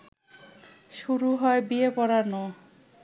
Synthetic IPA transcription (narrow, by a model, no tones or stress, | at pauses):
ʃuɾuɦɔebiepɔɾanɔ